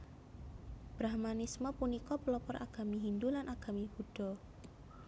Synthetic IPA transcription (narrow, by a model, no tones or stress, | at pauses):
b̥ɾahmanismɔpunikɔpəlɔpɔɾa̰ɡ̥a̤miɦind̪ulanʔaɡ̥a̤mib̥ṳɖ̥ɔ̤